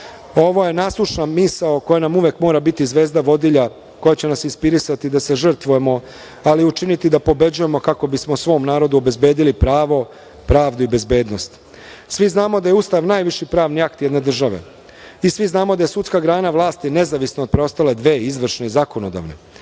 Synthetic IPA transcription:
o̞ʋo̞je̞naːslˠuʃnamisaoko̞janamuʋekmo̞ːɾabit̪izʋe̞ːzd̪aʋo̞d̪iʎa | ko̞jat͡ɕe̞nasinspiɾisat̪id̪ase̞ʐr̩t̪ʋuje̞mo̞ | aliut͡ʃinit̪id̪apo̞be̞d͡ʑuje̞mo̞kako̞bismo̞sʋo̞ːmnaːɾo̞d̪uobe̞zbe̞ːd̪ilipɾaːʋo̞ | pɾaːʋd̪uibe̞zbe̞ːd̪no̞st̪ | sʋiznaːmo̞d̪ajeust̪aʋnaːjʋiʃipɾaːʋniakt̪je̞d̪ne̞d̪r̩ʒaʋe̞̰ | isʋiznaːmo̞d̪aje̞sut̪skaɡɾaːnaʋlˠaːst̪ine̞zaʋisnood̪̚pɾeo̞st̪ale̞d̪ʋe̞ːizʋr̩ʃne̞izako̞nod̪a̰ːʋne̞̰

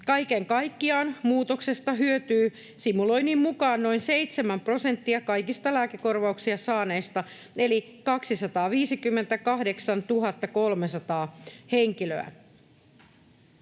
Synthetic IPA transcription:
kɑjkeŋkɑjkːiɑːnmuːt̪okse̞st̪ɑɦyøt̪yː | simulo̞inimmukɑːnno̞inseit̪semæmpro̞sent̪ːiɑkɑjkist̪ɑlæːkeko̞rʋɑuksiɑsɑːne̞jst̪ɑ | e̞likɑksisɑt̪ɑːʋiːsikymːe̞nt̪ækɑhdeksɑnt̪uɦɑt̪ːɑko̞lmesɑt̪ɑːheŋkiløæ̰

